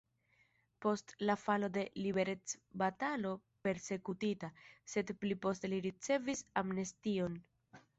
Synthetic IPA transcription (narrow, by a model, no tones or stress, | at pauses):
po̞stlafalo̞de̞libe̞ɾe̞t͡sbatalo̞ | pe̞ɾse̞kutitase̞dplipo̞ste̞liɾit͡se̞visamnestio̞n